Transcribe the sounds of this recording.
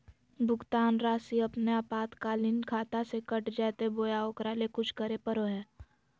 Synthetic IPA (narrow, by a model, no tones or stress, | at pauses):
bʱʊkt̪aːnɾaːsiɐpneaːpaːt̪kaːlɪnkʰaːt̪asekəʈd͡ʒɛːt̪eboːjaoːkɾalekʊt͡ʃʰkəɾepəɾoɦɛː